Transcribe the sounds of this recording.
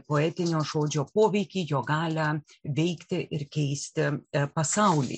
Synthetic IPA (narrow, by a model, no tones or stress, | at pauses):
poːɛːt̪ʲɪnʲoːʒoːd͡ʒʲoːpoːʋʲɛɪkʲiːjoːɡɑːlʲɐ | ʋʲɛɪkt̪ʲɪʔɪɾkʲɛɪsʲt̪ʲɪpɐsɑʊlʲḭ